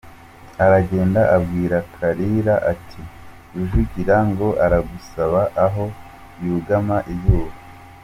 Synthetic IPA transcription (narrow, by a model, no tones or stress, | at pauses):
aɾaɟe̞ːndaʔabɡiːɾakʰaɾiɾaʔatʰi | ɾuʒuɟiɾaŋɡo̞ʔaɾaɡusaβaʔːɦo̞ | juːɡamaʔijuːβa